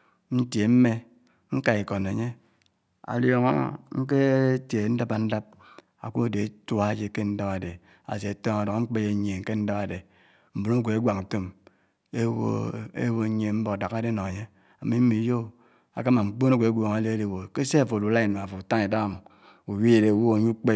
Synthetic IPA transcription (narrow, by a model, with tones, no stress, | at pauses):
n̩˦tje˨m̩˦me˦ | ŋ̩˦ka˨e˨ko˨ne˨ɲe˦ | a̰˨ljo˨ŋo̰˦ŋ̩˦k̬e˦tje˨˦n̩˦da˦ba˨n̩˦da˦p̚ | a̰˨ku˦˨de˨˦ta˦d͡ʒe˦ke˦n̩˦da˦pa˨de˨ | a̰˨s̬e˨tɔ˦ŋa˨do˨ŋa˦ŋ͡m̩˦k͡pe˦je˨˦ɲe˨ŋ̩˦ke˦n̩˦da˦ba˨de˨ | m̩˨bo˨no˦˨kʷe˨e˦ɡʷa˨k̩˨to˦m | e˦wo̰˦ḛ˦wo˦ɲ˦e˨˦m̩˦bo˨da˨ka˦de˦no˨e˨ɲe˦ | a˨mi˦m̩˦mi˨˦jo˦˨ | a̰˨ka˦ma˨ŋ͡m̩˨k͡po˦no˦kʷe˨e˦ɡʷo˨ŋa˨le˦de˨wo˨ke˦se˦a˨fo˨du˨la˦i˨no˨a˨fo˨ta˦ŋe˨da˦a˦˨mu˨ | u˨wi˦˨de˨wo˦o˨ɲu˦k͡pe˦